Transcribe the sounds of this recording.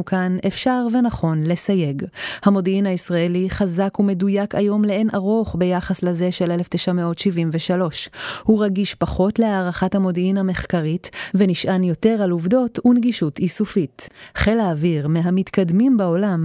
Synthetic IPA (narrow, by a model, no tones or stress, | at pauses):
ukanefʃaʁve̞naχo̞nle̞saje̞ɡhamo̞diinhaisʁaeliχazakume̞dujakajo̞mleenʔaʁo̞χbe̞jaχaslaze̞ʃelelefteʃameo̞tʃivimveʃalo̞ʃhuʁaɡiʃpaχo̞tle̞aːʁaχathamo̞diinhame̞χkaʁitveniʃʔanjo̞te̞ʁaluvdo̞tunɡiʃutisufitχelaːviʁmeɦamitkadmimbao̞lam